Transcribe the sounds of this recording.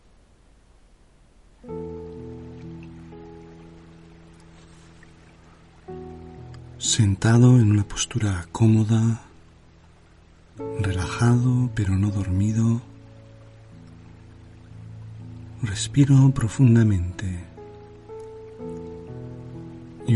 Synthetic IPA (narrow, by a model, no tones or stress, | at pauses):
se̞nt̪aðo̞e̞nunapo̞̥st̪uɾakʰo̞mo̞ða | re̞laxaðope̞ɾo̞no̞ðo̞ɾmiðo̞ | re̞spiɾo̞pɾo̞fund̪amẽ̞nt̪e̞ | i